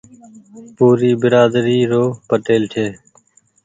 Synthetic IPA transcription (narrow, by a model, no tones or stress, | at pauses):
puːɾiːbɪɾaːd̪ɾiːɾoːpəʈeːlʈʰeː